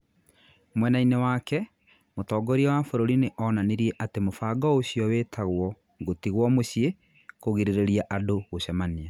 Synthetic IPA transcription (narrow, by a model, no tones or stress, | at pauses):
mwɛnainewakɛ | motɔːɡɔɾiawafoɾoɾineʔɔnaneɾieʔatemofaːɡɔoɕiɔwetʰaɣwɔ | ŋɡotiɣwɔmoɕie | koɣiɾeɾeɾiaʔadoɣoɕamania